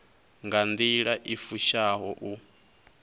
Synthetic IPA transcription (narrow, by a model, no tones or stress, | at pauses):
ŋɡand̪iɺaʔifuʃaɦɔʔu